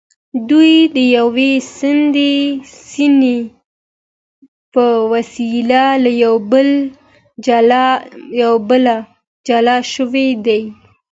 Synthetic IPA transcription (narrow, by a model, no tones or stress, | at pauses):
d̪ujd̪əjawesɪnd̪esine | pəwasilalajawbəl | jawbəla | d͡ʒalɑʃəwed̪aj